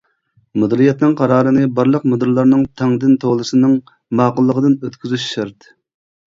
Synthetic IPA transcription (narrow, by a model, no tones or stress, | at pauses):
mud̪ɾijɛt̪nɨŋqʰɑɾɑːɾɨnɨbɑɾlˠəqmud̪ɨɾlˠɑɾnɨŋt̪ʰɛŋd̪ɪnt̪ʰoʁlˠɨsɨnɨŋ | mɑːqʊlˠːəʁəd̪ɨnøt̪kʲyzyʃʃɑɾt̪